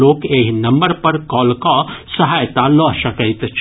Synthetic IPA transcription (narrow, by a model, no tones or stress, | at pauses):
oːkeːɦnɐ̃mbəɾpɐɾkɔːlkasəɦaːjt̪alɔːʃɐkəɪt̪t͡ʃʰ